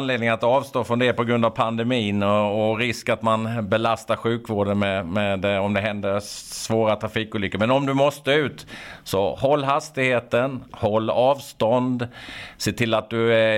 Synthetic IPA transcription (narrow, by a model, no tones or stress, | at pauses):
nleːd̪nɪŋənat̪ɑːvst̪oːfɵnd̪eːɾpʰɔɡɾɵnd̪avpʰand̪ɛmiːnɔɔɾɪskat̪manbɛlast̪aɾɧʉ̟ːkvoːɖənmɛmɛd̪ɛɔmd̪ɛɦɛnd̪əsvoːɾat̪ʰɾafiːkuːlʏkːamɛnɔmd̪ɵmɔst̪əʉ̟ːt̪sɔ̰hɔlːɦast̪ɪɡheːt̪ənhɔlːɑːvst̪ɔnd̪seːt̪ʰɪlːat̪̚d̪ɵæ